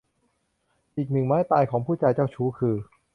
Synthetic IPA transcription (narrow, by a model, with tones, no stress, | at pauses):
ʔiː˨˩k̚nɯ˨˩ŋmaː˦˥jt̪aː˧jkʰɔː˩˦ŋpʰuː˥˩t͡ɕa˧jt͡ɕaː˥˩wt͡ɕʰuː˦˥kʰɯː˧